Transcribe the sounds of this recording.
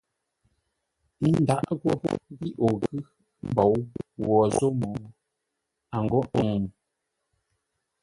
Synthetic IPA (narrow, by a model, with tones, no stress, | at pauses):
i˦n˦da˦ʔɣo˦bo̰˦bi˦ʔo˨ɣɨ˦ | m̩˦bɔ˨˦wwɔ˨zo˦mɔ˨˦ | a˨ŋ˨ɡo˦ʔo˨